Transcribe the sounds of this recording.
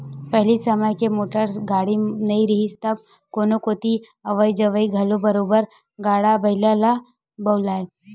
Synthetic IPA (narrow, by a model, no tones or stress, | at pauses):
pɛɦlisɐməjkemoːʈəɾsɡaːɽinɐĩɾɐɦist̪ɐb̚ | koːnokoːt̪i | ɐʋəid͡ʒɐʋəiɡʱɐlobɐɾoːbəɾ | ɡaːɽabɐɪlala | bɐʊlaːe